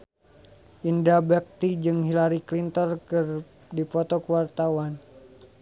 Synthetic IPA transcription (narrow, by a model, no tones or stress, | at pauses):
ʔindabɛk̚t̪id͡ʒɨŋɦilaɾiklint̪ɔrkɨr | difɔt̪ɔkəwart̪awan